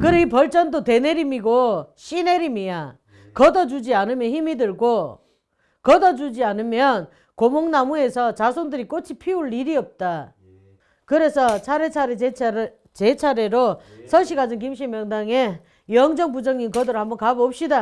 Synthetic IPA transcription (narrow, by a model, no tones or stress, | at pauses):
kɯɾeipʌɭt͡ɕ͈ʌndote̞ne̞ɾimiɡoɕ͈ine̞ɾimia | kʌdʌd͡ʑud͡ʑianɯmjʌnçimidɯɭɡo | kʌdʌd͡ʑud͡ʑianɯmjʌn | komoŋnamue̞sʰʌt͡ɕasʰondɯɾik͈ot͡ɕʰipʰiuɭːiɾiʌp̚t͈a | kɯɾe̞sʰʌt͡ɕʰaɾe̞t͡ɕʰaɾee | t͡ɕet͡ɕʰaɾe̞ɾosʰʌɕ̬ʰiɡad͡ʑɯŋk̬imɕ̬ʰimjʌŋdaŋe | jʌŋd͡ʑʌŋpud͡ʑʌŋinkʌdɯɾohambʌnkabʌp̚ɕ͈ida